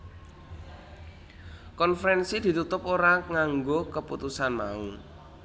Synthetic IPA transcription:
kɔnfəɾɛnsid̪̥i̤t̪ut̪ʊpoɾaŋaŋɡokəput̪usanma̰u

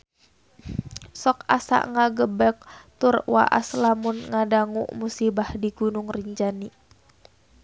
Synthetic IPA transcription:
sɔka̰sa̰ʔŋaɡəbɛk̚t̪ʊrwa̰ʔa̰slamʊnŋadaŋṵʔmusibahdiɡunʊŋriɲd͡ʒani

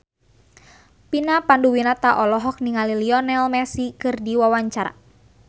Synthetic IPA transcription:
pinapanduwinat̪aʔɔlɔɦɔk̚niŋaliliɔnɛlmɛsikɨrdiwawaɲt͡ʃaɾa̰

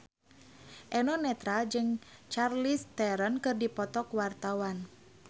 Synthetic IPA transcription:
ʔɛnɔnɛt̪ɾad͡ʒɨŋt͡ʃarlist̪ɛɾɔnkɨrdipɔt̪ɔkwart̪awan

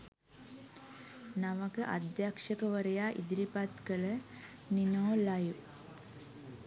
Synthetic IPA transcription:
naʋəkəʔad̪jakʂəkəʋəɾəjaːʔḭd̪iɾipat̪kələ | ninoːlaju

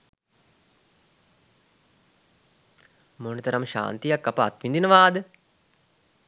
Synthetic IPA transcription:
monət̪ɐɾɐmʃa̰ːnt̪ijakːapəa̰t̪ʋind̪inəʋaːd̪ə

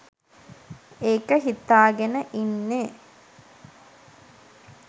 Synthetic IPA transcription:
eːkəɦit̪ːaːɡenəʔinːe

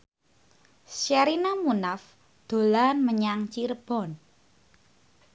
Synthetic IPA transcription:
ʃaɾinamunaf | d̪̥o̤lanməɲaŋt͡ʃirb̥ɔn

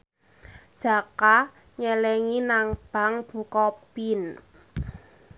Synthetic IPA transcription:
d̥ʒ̥a̤ka | ɲɛlɛŋinaŋb̥a̤ŋb̥ṳkɔpin

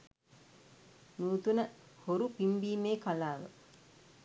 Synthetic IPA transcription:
nuːt̪unəhoɾupimbiːmeːkalaːʋə̰

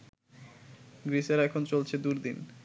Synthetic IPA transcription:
ɡɾiʃeɾɛkʰont͡ɕolt͡ɕʰed̪uɾd̪in

